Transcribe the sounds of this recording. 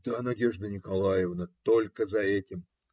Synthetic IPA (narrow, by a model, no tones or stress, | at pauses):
d̪̥anɐdʲe̞ʐd̪ənʲɪkɐlˠajɪvnət̪olʲkəzɐɛtʲɪm